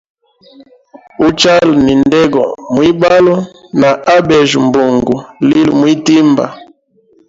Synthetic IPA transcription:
u˦t͡ʃa˦lni˨ndɛ˦ɡɔ˨mwi˦ba˦lɔ˦na˨ʔa˦bɛ˨ʒu˨mbo˨ŋɡu˨li˦lṵ˨mwi˦ti˦mba̰˨

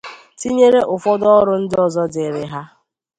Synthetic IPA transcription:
ti˦ɲe˦ɾe˦ʔʊ˨fɔ˦dɔ˦ɔ˦ɾʊ˦n̩˦dɔ˨zɔ˦dɪ˨ɾɪ˨ɦa˦

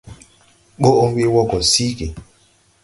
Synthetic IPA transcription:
k͡po˦ʔo˦we˦wɔ˦kɔ˨si˦ki˨

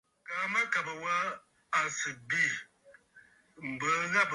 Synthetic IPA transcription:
ka˨˦ma˦ka˨bə˨wa˦ | a˨sɨ˨bi˦˨ | m̩˨bə˦ɣa˦p

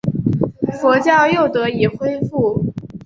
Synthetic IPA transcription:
fɔ˧˥t͡ɕjɑ˥˩ʊjo˥˩ʊt̪ɤ˧˥i˨˩xwe˥ɪfu˥˩

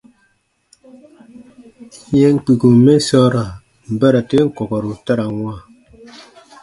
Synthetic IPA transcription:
ɲɛ˦ŋ̩˦˨k͡pi˨ku˨me˦sɔ˦ɾa˨ | m̩˨bɛ˦ɾa˨te˦ŋ̩˦˨kɔ˨kɔ˨ɾu˨ta˦ɾa˨ŋwa˦˨

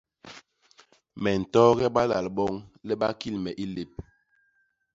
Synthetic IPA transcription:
mɛ˨n̩˨tɔ˦ɣɛ˦ɓa˦la˨lɓɔ˦ŋlɛ˦ɓa˦ki˦lmɛ˨ʔi˦le˨p̚

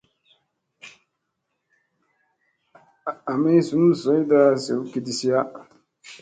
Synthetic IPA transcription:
a˨me˦su˨n˦˨sɔ˨˦i˦daː˦sḛ˨wke˨di˨si˦ja˦

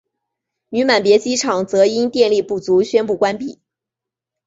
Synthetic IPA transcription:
ny˧˥ma˨˩npjɛ˧˥t͡ɕi˥ʈ͡ʂʰɑ˨˩ŋt͡sɤ˧˥i˥nt̪jɛ˥˧nli˥˧pu˥˩t͡su˧˥ɕɥɛ˥npu˥˩kwa˥npi˥˩

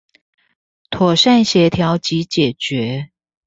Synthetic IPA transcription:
t̪ʰwɔ˨˩ʂa˥˨nɕɛ˧˥t̪ʰjɑ˧˦ʊt͡ɕi˨˦t͡ɕjɛ˨˩t͡ɕɥɛ˨˦

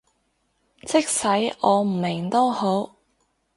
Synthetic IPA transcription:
t͡sɪ˥k̚sɐ˨˥jɔː˨˧m̩˨˩mɪ˨˩ŋt̪o˥who˨˥w

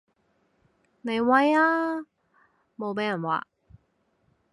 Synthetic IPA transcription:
ne˨˧jwɐ˧˥jaː˥ | mo˨˧wpe˨˦jɐ˨˩nwa̰ː˨

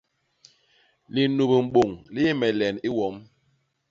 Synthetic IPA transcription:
li˨nu˨bə˨m̩˨ɓo˨ŋli˦mɛ˨lɛ˨ni˦wɔ˨˦m

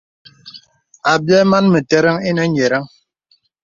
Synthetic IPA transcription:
a˨bjɛ˦ma˦nmə˨tɛ˦ɾa˦ŋi˦nɛ˦ɲe˨ɾa˦ŋ

